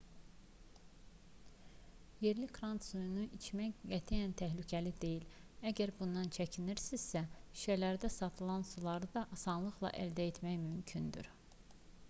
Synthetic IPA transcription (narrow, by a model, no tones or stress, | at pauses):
je̞ɾlikʰɾɑnt̪sujunuʔit͡ʃʰmæjɡæt̪ʰijænt̪ʰæɦlycʰælid̪e̞jilæɟæɾbund̪ɑnt͡ʃʰæcʰiniɾsiz̥sæi̥ʃælæɾd̪æsɑt̪ʰɯlˠɑnsulˠɑɾɯd̪ɑʔɑsɑnlˠɯxlˠɑ̰ʔæld̪æet̪ʰmæjmymcʰynd̪y̰ɾ